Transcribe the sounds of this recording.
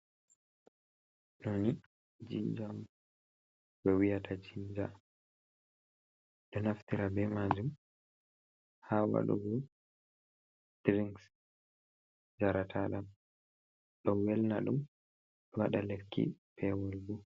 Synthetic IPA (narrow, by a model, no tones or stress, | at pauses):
noni | d͡ʒid͡ʒam | bɛwijatʰat͡ʃiɲd͡ʒa | ɗɔnaftiɾabɛmad͡ʒum | hawa̰ɗṵɡɔ | d̥ɾiŋɡs | d͡ʒaɾatʰaɗam | ɗɔwɛlnaɗum | ɔwaɗalekːḭpʰɛwɔlbu